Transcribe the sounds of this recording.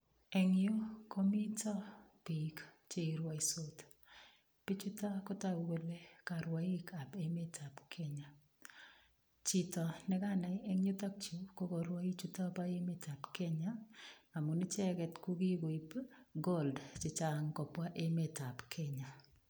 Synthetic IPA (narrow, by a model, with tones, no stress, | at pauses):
e˨ŋɪo˦kʰɔ˦mi˦tɔ˦pi˨kt͡ʃe˦˨ɾwa˦iso˦t | pi˦t͡ʃu˦ta˦ko˦ta˦we˨le˦ka˨ɾwa˨i˦ka˨pe˦me˦tʰa˨pkʰɛ˦ɲa˨ | t͡ʃi˨tɔ˨nɛ˦ka˦na˨je˦ŋjo˦t̪a˦k̚t͡ʃu˨ko˦kɔ˨ɾwa˦i˦t͡ʃu˦ta˦pa˦e˦me˦ta˨pkɛ˦ɲa˦a˨mu˨ni˦t͡ʃɛ˦kɛ˨tku˦ɡi˦ɡo˨i˨pɡo˦ldt͡ʃɪ˨t͡ʃa˨ŋkɔ˨pwa˦ʔe˦me˨ta˨pkʰɛ˦ɲa˨